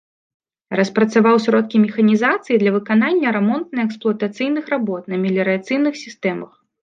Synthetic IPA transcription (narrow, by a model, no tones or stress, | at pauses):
ɾɐspɾɐt̪savawsʲɾɔt̪̚kʲimʲɛxɐnʲizat̪sɨjid̪lʲɐvɨkananʲːɐɾɛmɔnt̪̚nɨɛksplˠʊɐt̪at̪sɨjnɨxɾabɔt̪nɐmʲɛlʲɛɾɨat̪sɨjnɨxsʲist̪ɛmɐ̰x